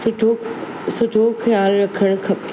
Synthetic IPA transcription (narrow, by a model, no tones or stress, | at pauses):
ʊʈʰo | sʊʈoxjaːlɾɐkʰəɽ̃kʰɐp